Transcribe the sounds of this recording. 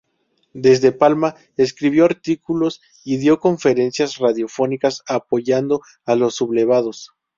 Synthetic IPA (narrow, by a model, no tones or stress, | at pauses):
d̪e̞zðe̞palma | eskɾiβ̞jo̞aɾt̪ikulo̞s | iðjo̞ko̞ɱfe̞ɾe̞nsjasraðjo̞fo̞nikasapo̞ʝand̪o̞ | alo̞sːuβle̞β̞að̞o̞s